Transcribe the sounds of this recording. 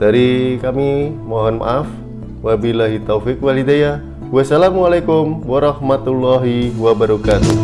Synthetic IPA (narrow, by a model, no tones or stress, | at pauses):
d̥aɾikamimɔɦɔnma̰ʔaf | wabilaɦit̪ofik̚walidaja | wasalamualajkumwaɾɑhmat̪ulːɔɦiwabaɾɔkat̪u